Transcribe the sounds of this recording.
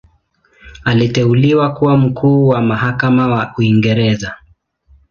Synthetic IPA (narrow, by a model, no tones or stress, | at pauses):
alitɛuliwakuwam̩kʰuːwamaɦakamawaʔuiŋɡɛɾɛza